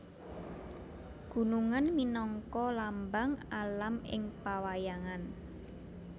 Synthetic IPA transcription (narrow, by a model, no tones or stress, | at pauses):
ɡ̥ṳnuŋanminɔŋkɔlambaŋalamɪ̰ŋpawajaŋan